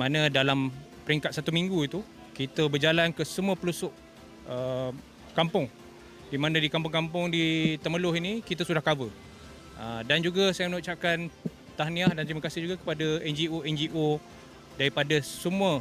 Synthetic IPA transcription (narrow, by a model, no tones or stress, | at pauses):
mãnə̃dalampəɾiŋkat̪̚sat̪umiŋɡuit̪u | kit̪əbərd͡ʒalankəsəmuəpəlusʊʔ | ə | kampʊŋ | dimãnə̃dikampʊŋkampʊŋdit̪əməlʊɦinikit̪əsudahkabə | ədand͡ʒuɡasajəmənuʔt͡ʃap̚kan | t̪ahniahdant̪ɾimakasɪhd͡ʒuɡakə̥padaɛnd͡ʒioɛnd͡ʒiʔo | daɾipadəsəmũə